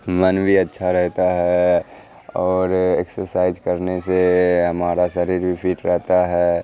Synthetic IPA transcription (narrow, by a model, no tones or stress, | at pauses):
mənbʱiɐtːʃʰaɾɛɦt̪aɦɛ | ɔːɾeksəɾsaːɪzkəɾneseɦɐmaːɾaʃəɾiːɾbʱipʰiːʈɾɛɦt̪aɦɛː